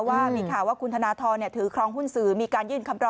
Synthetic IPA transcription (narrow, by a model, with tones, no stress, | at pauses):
waː˥˩miː˧kʰaː˨˩wːaː˥˩kʰu˧nt̪ʰa˧naː˧t̪ʰɔː˧nːi˥˩ɐt̪ʰɯː˩˦kʰɾɔː˧ŋɦu˥˩nsɯː˩˦miː˧kaː˧njɯː˥˩nkʰa˧˦mɾɔ˧